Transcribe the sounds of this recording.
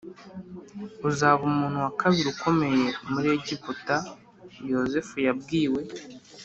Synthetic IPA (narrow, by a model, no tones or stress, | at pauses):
uzaːβumuːn̥huwakʰaβiɾiukʰo̞me̞je̞muɾe̞ɟibuta | jo̞ze̞fujabɡiːwe̞